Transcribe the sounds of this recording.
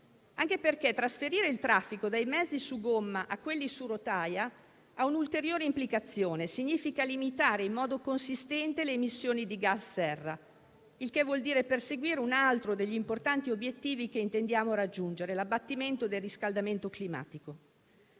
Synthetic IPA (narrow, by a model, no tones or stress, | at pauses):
aŋk̟eperk̟et̪ɾasfeɾiːɾeilt̪ɾafːikod̪ajmɛd̪zːisuɡomːaʔakːwelːisuɾot̪aːja | aunult̪eɾjoːɾeimplikat̪sːjoːnesiɲːiːfikalimit̪aːɾeimmːɔːd̪okonsist̪ɛnt̪eleːmisːjoːnid̪iɡasːɛrːa | ilkevːwɔld̪iːɾeperseɡwiːɾeunalt̪ɾod̪eʎːimport̪ant̪iobjet̪ːiːvikeint̪end̪jaːmoɾad͡ʒːund͡ʒeɾelabːat̪ːiment̪od̪elriskald̪ament̪oklima̰ːt̪iko